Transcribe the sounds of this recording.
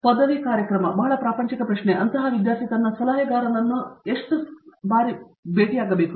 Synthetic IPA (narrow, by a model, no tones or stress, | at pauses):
pɐd̪ʱːɐʋikaːɾjɐkɾɐmɐbɐɦɐɭɐpɾaːpɐɲt͡ʃikɐpɾɐʃɳeʔɐnt̪ɐɦɐʋid̪jaːɾt̪ʰikɐnːɐsɐlaːjɐɡaːɾɐnɐnːueʂʈubaːɾi | beːʈijaːɡɐbeːku